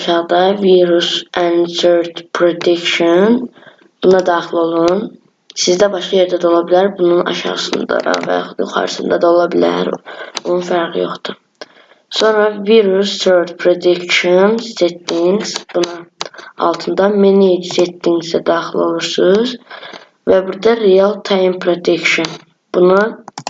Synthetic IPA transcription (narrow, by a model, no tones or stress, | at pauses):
ʃɑʁd̪ɑviɾusænsøɾt̪pʰɾod̪ikʃon | b̥unɑd̪ɑːxilˠo̞lˠun | sizd̪æbɑʃqɑjeɾd̪æd̪o̞lˠɑbilæɾbununɑ̰ʃɑ̰ʁɯsɯnd̪ɑ̰d̪ɑ̰væ̰jɑ̰χud̪jṵχɑ̰ɾɯsɯnd̪ɑd̪ɑo̞lˠɑbilæ̰ɾbununfæɾʁḭjo̞̰χd̪̥u | so̞nɾɑviɾusøɾd̪pʰɾod̪ekʃonst̪et̪ːiŋɡsb̥unɑɑ̰lˠt̪ʰɯnd̪ɑmenid͡ʒset̪ːiŋɡzæd̪ɑːxilˠo̞lˠuɾsɯz | væbuɾd̪ɑɾijalˠt̪ʰɑjmpʰɾod̪ekʃon | b̥unu